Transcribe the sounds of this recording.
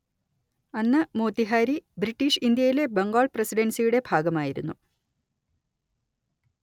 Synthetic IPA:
ɐnːɐmo̞ːt̪ːiɦaːɾibriʈːiːʂind̪jɐjile̞bɐŋɡoːɭprɐsiɖɐnsijuɽe̞bʱaːɡɐmaːjiɾunːu

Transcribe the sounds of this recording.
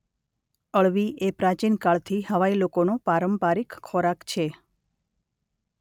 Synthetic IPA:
əɭʋiʔepɾat͡ʃinkaɭt̪ʰihəʋailokonopaɾəmpaɾikkʰːɔɾakt͡ʃʰe

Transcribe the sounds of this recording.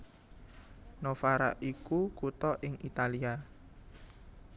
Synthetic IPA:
nofaɾa̰ʔikukut̪ɔʔɪŋit̪alia

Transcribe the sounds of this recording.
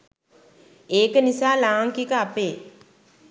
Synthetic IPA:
eːkənisaːlaːŋkikəapeː

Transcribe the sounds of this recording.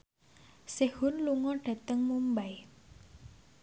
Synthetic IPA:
sehʊnluŋɔɖ̥a̤t̪əŋmumbaj

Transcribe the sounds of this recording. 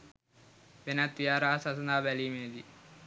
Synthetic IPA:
ʋenat̪ːijaːɾaːsɐsɐnaːbælimeːd̪i

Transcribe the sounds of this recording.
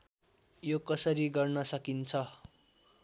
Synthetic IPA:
jokʌsʌɾiɡʌrnʌsʌkint͡sʰʌ

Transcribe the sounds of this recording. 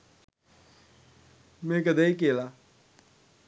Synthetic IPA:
mẽːkəd̪eːik̬eːlaː

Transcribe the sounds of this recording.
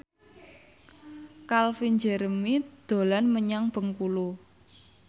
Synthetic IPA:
kalfiɲd͡ʒəɾəmid̪̥o̤lanməɲaŋb̥ə̤ŋkulu

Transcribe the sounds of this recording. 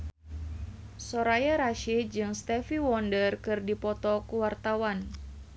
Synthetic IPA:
sɔɾajaɾaʃid͡ʒɨŋst̪ɛfiwɔndərkɨrdipɔt̪ɔkuwart̪awan

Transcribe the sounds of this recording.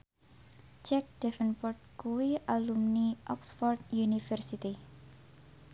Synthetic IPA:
t͡ʃɛk̚d̪̥ɛfənpɔrt̪̚kuwialumniʔɔksfɔrd̪junifərsit̪i

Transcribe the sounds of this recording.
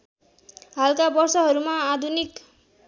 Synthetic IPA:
ɦalkabʌrsʌɦʌɾumaːd̪ʱunik

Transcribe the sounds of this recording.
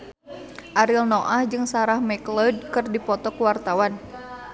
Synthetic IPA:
ʔaɾilnɔʔahd͡ʒɨŋsaɾahmɛklɔd̚kɨrdipɔt̪ɔkuwart̪awan

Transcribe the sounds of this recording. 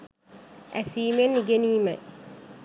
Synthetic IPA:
ʔæsiːmenːiɡeniːmɛ̰

